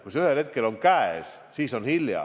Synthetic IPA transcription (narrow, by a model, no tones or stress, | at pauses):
kusyhelhe̞t̪̚ke̞lo̞ŋkæessiːso̞nhiljɑ̰